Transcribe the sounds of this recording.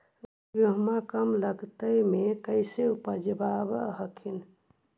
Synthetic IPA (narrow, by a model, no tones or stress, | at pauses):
bjoɦmãkəmləɡt̪əjmẽkəɪseupəd͡ʒəbaːbɦəkʰin